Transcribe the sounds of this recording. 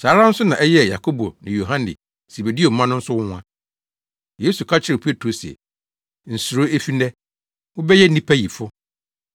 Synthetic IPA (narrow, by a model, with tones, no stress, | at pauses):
saː˨˦ɾã˦n̩˦sʊ˦nã˨ʔɛ˦jɛ˦˨ja˨kʰo˦bo˨nɪ̃˨jo˨ɦã˦nɪ̰˨ | si˨be˨di˦o˨m̩˨mã˦nʊ̃˦n̩˦sʊ˦wʊ̃˦n˦a˦ | je˦su˨kʰa˦t͡ɕʰɪ˦ɾɪ˨pʰe˦tʰo˨sɛ̰˨ | n̩˨su˨ɾo˦e˦fi˦nɛ˦ | wʊ˦bɛ˦jɛ˦nĩ˦pʰæ˦ji˨fʊ˦